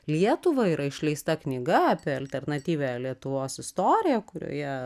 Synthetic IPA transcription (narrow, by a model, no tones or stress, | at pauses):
lʲiɛt̪ʊʋɐiːɾɐɪʃʲlʲɛɪst̪ɐknʲɪɡɐɐpʲiɛɐlʲt̪ʲɛrnɐt̪ʲiːʋʲælʲiɛt̪ʊʋoːsɪst̪oːɾʲɪjɛkʊɾʲo̰ːjɛ